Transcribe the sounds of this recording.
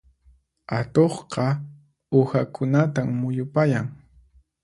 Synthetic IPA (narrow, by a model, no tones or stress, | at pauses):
at̪oχqɑ | ʊhakʰʊnat̪ammʊjʊpajaŋ